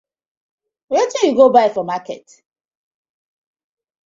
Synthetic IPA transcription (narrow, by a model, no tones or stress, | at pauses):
ɾetijuɡobaɪfɔmakɛt